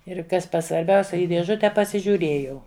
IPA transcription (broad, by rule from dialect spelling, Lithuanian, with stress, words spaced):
ɪr ˈkɐs sʋɐrʲˈbʲɛʊsʲɛ ˈiː dʲeːˈʒʊtʲɛ pɐsʲɪʒʲuːˈrʲeːjɛʊ